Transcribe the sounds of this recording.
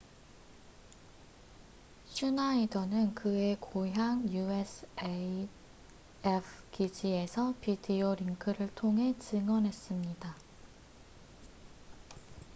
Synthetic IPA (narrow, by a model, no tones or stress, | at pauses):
ɕʰunaidʌnɯnkɯe̞kʰoɦjaŋjuesʰe | epʰkid͡ʑie̞sʰʌpidioɾiŋkʰɯɾɯɭtʰoŋɦe̞t͡ɕɯŋʌnɦe̞s͈ɯmɲida